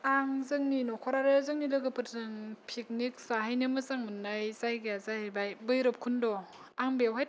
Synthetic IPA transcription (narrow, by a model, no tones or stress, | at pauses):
aŋzɯŋninɔkʰɔɾaɾɯzɯŋnilɯɡɯpʰɯtzɯŋpʰik̚nik̚saɦajnɯmɯzaŋmɯnːajzajɡeazahjbajbɯjɾɯp̚kʰundɔ | aŋbewɦaj̚